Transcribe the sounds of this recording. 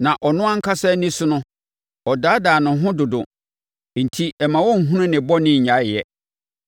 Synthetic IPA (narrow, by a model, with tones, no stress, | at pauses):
nã˨ʔɔ˨nʊ̃˦ã˦ŋ̩˦kʰa˦sɛ˦nĩ˦sʊ˦nʊ̃˦ | ɔ˨daː˨˦daː˨nʊ̃˨˦ɦʊ̃˦dʊ˨dʊ̰˨ | n̩˨tʰi˦ɛ˨mã˨wɔ˦ŋ̩˨ɦũ˦nʊ̃˦nɪ̃˨bɔ˦nɪ̃˦ɲ̩˨ɲã˦ɪ˨jɛ˨